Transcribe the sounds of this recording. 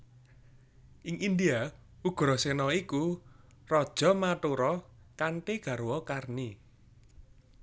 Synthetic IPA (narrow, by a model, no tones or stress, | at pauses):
ʔɪŋʔind̪ia | uɡ̥ɾɔsenɔiku | rɔd̥ʒ̥ɔ̤mat̪uɾɔkant̪eɡ̥ä̤ɾwɔkarni